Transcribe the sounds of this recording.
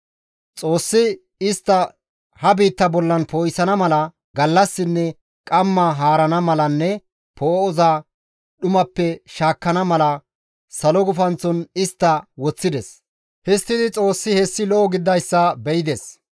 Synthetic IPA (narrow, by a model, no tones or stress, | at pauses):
t͡sʼo̞ːsːɪ | ɪst̪ːɐ | hɐbiːt̪ːɐbɔlːɐnpoːjsɐnɐmɐlɐ | ɡɐlːɐsːɪnːɛ | kʼɐmːɐɦaːɾɐnɐmɐlɐnːɛ | pʰɔɔɔza | ɗʊmɐpːɛʃaːkːɐnɐmɐlɐ | sɐlɔɡʊfɐnt͡sːɔnɪst̪ːɐwɔt͡sːɪd̪ɛs | hɛst̪ːɪd̪ɪt͡sʼo̞ːsːɪhɛsːɪlɔʔɔɡɪd̪ːɐjsːɐbɛjɪd̪ɛs